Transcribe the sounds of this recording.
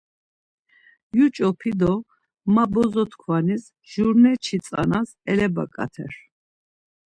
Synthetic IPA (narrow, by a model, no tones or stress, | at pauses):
jut͡ʃʼɔpʰid̪ɔ | mabɔzɔt̪ʰkʰwanis | ʒuɾnɛt͡ʃʰit͡sʼa̰nas | ɛlɛba̰kʼa̰t̪ʰɛ̰ɾ